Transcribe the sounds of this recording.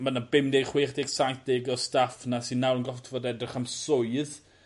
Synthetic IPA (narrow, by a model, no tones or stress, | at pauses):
manabɪmdejχwiːχdeɡsajθd̥eɡɔstafnasinːawɾənɡɔftʰvɔdɛdrɪχamsʊɨð